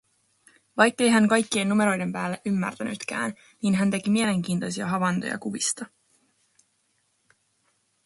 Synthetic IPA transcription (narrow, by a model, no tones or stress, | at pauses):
ʋɑjkːe̞jɦæŋkɑjkːienːume̞ɾo̞jde̞mpæːlːeʔymːæ̰rt̪æny̰t̪k̟æ̰ːn | niːnɦænt̪e̞kimiele̞ŋk̟iːnt̪o̞jsiɑ̰ɦɑʋɑnt̪ojɑ̰kuʋist̪ɑ